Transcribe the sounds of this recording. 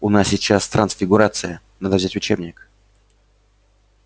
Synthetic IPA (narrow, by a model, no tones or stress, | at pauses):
ʊnasʲɪt͡ɕast̪ɾʔənsfʲɪɡʊɾat̪sɨjə | nad̪əvzʲætʲʊt͡ɕebnʲɪk